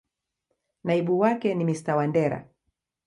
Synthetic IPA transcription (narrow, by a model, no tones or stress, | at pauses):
naiɓuwakɛnimistawandɛɾa̰